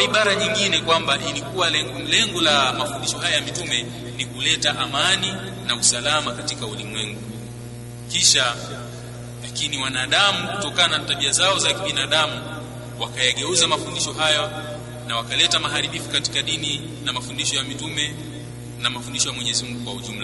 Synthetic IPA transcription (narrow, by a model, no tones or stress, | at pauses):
iɓaɾaɲiŋɡinɛkwambaʔilikuwaɛ | lɛŋɡɔlamafundiʃɔɦajajamitumɛ | nikulɛtaʔamani | nausalamakatikaulimwɛŋɡu | kiʃa | lakiniwanaːɗamukutɔkaananataɓiazaɔzakiɓinaɗamu | wakajaɠɛuzamafundiʃɔɦaja | nawakalɛtamaɦaɾiɓifukati̥kaɗini | namafundiʃɔjamitumɛ | namafundiʃɔjamwɛɲɛzimuŋɡukwauʄum̩la